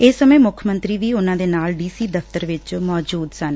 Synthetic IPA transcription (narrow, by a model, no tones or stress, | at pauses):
ɪsːəmẽːmʊkʰmənt̪ɾiːʋiːʊnãːd̪eːnaːlɖiːsiːd̪əfʰt̪əɾʋɪt͡ʃmɔːd͡ʒuːd̪sən